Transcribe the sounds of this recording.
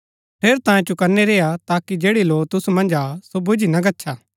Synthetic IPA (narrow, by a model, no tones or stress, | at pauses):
pʰeːɾt̪ãːẽt͡ʃʊkɐɾneɾeːjat̪aːkid͡ʒeːɽiloːt̪ʊsumɐ̃nd͡ʒaːsobʊd͡ʒinɐɡɐtːʃʰaː